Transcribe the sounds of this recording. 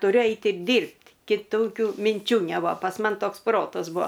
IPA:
tʊˈrʲʊ ˈɛɪtʲ ɪr ˈdʲiːrʲpʲtʲ kʲɪˈtoːkʲʊ mʲɪnʲˈt͡ʃʲuː nʲɛˈbʊɐ pɐs ˈmɐn ˈtoːks ˈproːtɐs ˈbuɔ

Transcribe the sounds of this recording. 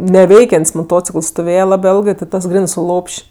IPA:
nʲɛˈʋʲɛɪkʲɛnʲtʲsʲ moːˈtoːt͡sʲɪkəlˠs stoːˈʋʲeːjɛ ˈlˠɑːbɜ ˈeːlˠɡɜ tʲɪt ˈtɐs ˈɡrʲæːnɜ sʊ ˈlˠoːpʲʃʲ

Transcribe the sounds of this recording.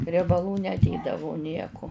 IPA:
rʲiɛbɐˈlˠuː nʲɛˈdʲeːdɐʋʊ ˈnʲiɛkʊ

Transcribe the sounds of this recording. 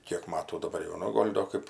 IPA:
ˈkʲiɛk ˈmɑːtuː dɐˈbɐr jɛʊ ˈnʊ ˈɡoːlʲ doː ˈkɜp

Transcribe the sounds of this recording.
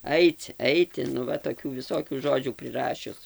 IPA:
ˈɐɪt͡s ˈɛɪtʲɪ nʊ ˈʋɐ toːˈkʲuː ʋʲɪˈsoːkʲuː ˈʒoːd͡ʒʲuː pʲrʲɪˈrɑːʃʲʊs

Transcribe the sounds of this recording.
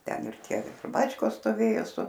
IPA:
ˈtʲɛn ɪr ˈtʲiɛ ˈbɑːt͡ʃkoːs stoːˈʋʲeːjoː sʊ

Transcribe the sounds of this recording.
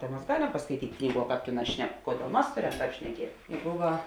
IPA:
ˈtɐ mɐs ˈɡɑːˌlʲɛm pɐskɐɪˈtʲiːtʲ ˈknʲiːˌɡuɔ ˈkɑːp ˈtʲeːˌnɑːs ˈʃʲnʲɛk ˈkoːˌdʲeːlˠ ˈmɐs ˈtɑːp ʃʲnʲɛˈkʲiɛt ˈbʊʋɐ

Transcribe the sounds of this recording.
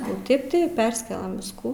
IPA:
oː ˈtʲeːp tʲɪ ˈpʲɛrʲsʲɪkʲɛlˠɐm ˈʋʲɪskuː

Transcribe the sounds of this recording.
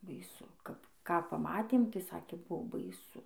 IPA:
bɐɪˈsʊ ˈkɐp ˈkɑː pɐˈmɑːtʲeːm tɐɪ ˈsɑːkʲeː ˈbuɔ bɐɪˈsʊ

